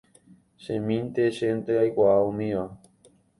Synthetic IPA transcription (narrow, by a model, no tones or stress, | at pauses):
ʃẽmĩnt̪eʃẽnt̪eajkʷaʔaũmĩʋa